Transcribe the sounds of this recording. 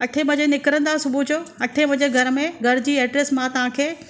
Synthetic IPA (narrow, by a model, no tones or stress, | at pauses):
ɐʈʰembɐ̃d͡ʑenɪkɾə̃nd̪asʊbʱud͡ʑoːɐʈʰemɐ̃ɲd͡ʑeɡʱɐɾmẽɡʱɐɾd͡ʑiːɛːɖɾeːsmãt̪ɐʋ̤ãkʰeː